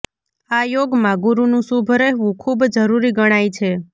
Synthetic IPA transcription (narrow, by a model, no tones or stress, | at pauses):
ajoɡmãɡuɾunũsubʱəɾeɦʋũkʰubd͡ʒəɾuɾiɡəɽ̃ajt͡ʃʰe